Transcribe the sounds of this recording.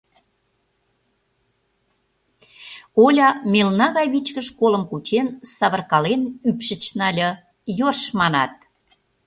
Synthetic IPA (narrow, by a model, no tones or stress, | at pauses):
olʲɑmʲelnɑɣɑjβit͡ɕkəʃkoləmkut͡ɕensɑβərkɑlenypʃət͡ɕnɑlʲɤ | jorʃmɑnɑt̪̚